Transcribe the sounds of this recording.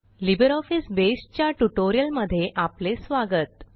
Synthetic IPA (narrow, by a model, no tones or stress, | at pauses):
libəɾɔfisbesʈ̚t͡ɕjaʈuʈoɾijəlməd̪ʱːjeʔaplesʋaɡət̪̚